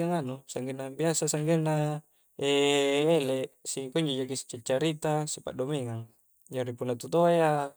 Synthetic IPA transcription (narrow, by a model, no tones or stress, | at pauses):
aŋanusaŋɡenːabiasasaŋɡenːa | eeleʔsikuɲd͡ʒod͡ʒakisi̥t͡ʃːat͡ʃːaɾit̪asipa̰ʔdomeŋaŋ | d͡ʒaɾipunːat̪ut̪oea